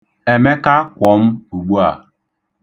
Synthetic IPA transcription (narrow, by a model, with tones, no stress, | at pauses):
e˨me˦ka˦kʷɔ˨˦m̩˦u˨ɡ͡bu˦a˨